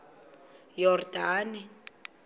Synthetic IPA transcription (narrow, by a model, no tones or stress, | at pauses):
jɔrdaːni